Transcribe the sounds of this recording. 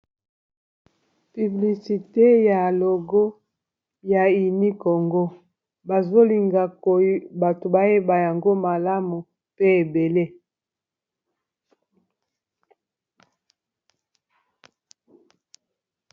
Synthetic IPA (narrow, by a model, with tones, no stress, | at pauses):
py˨bli˨si˨te˦ja˨lo˨ɡo˦ | ja˨i˨ni˦ko˨ŋɡo˦ | ba˨zo˦li˨ŋɡa˨ko˨˦ba˨to˨ba˦je˦ba˨ja˨ŋɡo˦ma˨la˦mu˨ | pe˦e˨be˨le˦